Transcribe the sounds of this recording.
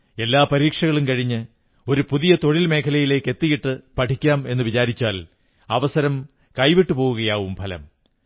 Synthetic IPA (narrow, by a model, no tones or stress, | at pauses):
e̞lːaːpɐɾiːkʂɐɣɐɭumkɐɻiɲːɨ | o̞ɾupuðijɐt̪o̞ɻilme̞ːkʰɐlɐjile̞ːkːe̞t̪ːijiʈːɨpɐʈʰikʲːaːme̞nːɨʋit͡ɕaːɾit͡ɕːaːl | ɐʋɐsɐɾɐm | kɐjʋiʈːɨpoːɣuɣɐjaːʋumpʰɐlɐ̰m